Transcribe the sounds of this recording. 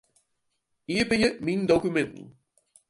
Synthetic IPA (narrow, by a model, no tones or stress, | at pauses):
iːəɹbənjəmindowkymɛntn̩